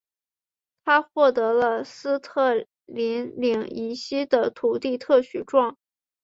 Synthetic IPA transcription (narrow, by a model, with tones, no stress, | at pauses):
t̪ʰa˥xwɔ˥˩t̪ɤ˧˥lə˧sɹ̩˥t̪ʰɤ˥˩ | li˧˥nli˨˧˩ŋi˧˥ɕi˥d̪ə˨t̪ʰu˨˩t̪i˥˧t̪ʰɤ˥˩ɕy˨˩ʈ͡ʂwɑ˥˩ŋ